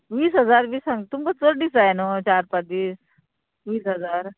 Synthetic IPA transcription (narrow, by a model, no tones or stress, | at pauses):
ʋiːsɦɐzaːɾbiːsɐŋt̪ʊmkɐsoɾɖisajnõːt͡ʃaːɾpɐt̪iːs | ʋiːsɦɐzaːɾ